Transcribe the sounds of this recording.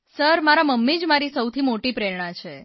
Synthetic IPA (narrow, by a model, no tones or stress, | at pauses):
səɾmaɾaməmːid͡ʒmaɾisəwt̪ʰimoʈipɾeɾɳ̃ãt͡ʃʰe